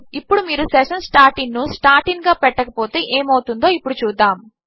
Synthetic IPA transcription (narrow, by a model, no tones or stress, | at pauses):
ipːuɽumiːɾusɛʂɐnsʈaːɾʈiŋnusʈaːɾʈiŋɡaːpɛʈːɐkɐpo̞ːt̪e̞ːʔeːmɐwut̪und̪o̞ːipːuɽut͡ʃuːd̪ːaːm